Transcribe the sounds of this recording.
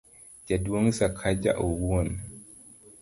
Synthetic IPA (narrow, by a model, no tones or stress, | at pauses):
d͡ʒaduwɔŋsakʰad͡ʒa̰ʔɔwuwɔn